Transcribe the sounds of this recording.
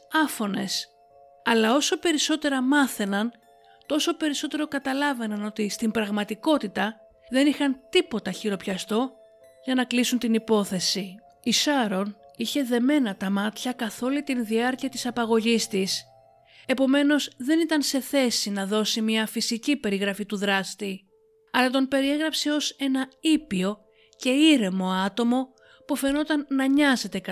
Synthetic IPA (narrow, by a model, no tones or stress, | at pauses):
ɐfo̞ne̞̰s | ɐlɐo̞so̞pe̞ɾiso̞t̪e̞ɾɐmɐθe̞nɐn | t̪o̞so̞pe̞ɾiso̞t̪e̞ɾo̞kɐt̪ɐlɐve̞nɐno̞t̪ist̪imbɾɐɣmɐt̪iko̞t̪it̪ɐ | ðe̞nixɐnt̪ipo̞t̪ɐçiɾo̞pçɐst̪o̞ | ʝɐnɐklisunt̪inipo̞θe̞si | isɐɾo̞niçe̞ðe̞me̞nɐt̪ɐmɐt̪çɐkɐθo̞lit̪inðiɐɾciɐt̪i̥sɐpɐɣo̞ʝist̪is | e̞po̞me̞no̞zðe̞nit̪ɐnse̞θe̞sinɐðo̞simɲɐfisicipe̞ɾiɣɾɐfit̪uðɾɐst̪i | ɐlɐt̪o̞npe̞ɾie̞ɣɾɐpse̞o̞se̞nɐipio̞ | ce̞iɾe̞mo̞ɐt̪o̞mo̞ | pufe̞no̞t̪ɐnːɐɲɐze̞t̪e̞k